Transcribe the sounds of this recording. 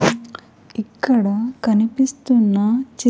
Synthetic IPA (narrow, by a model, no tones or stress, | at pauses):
ikːɐɽɐkɐnipist̪unːɐt͡ʃi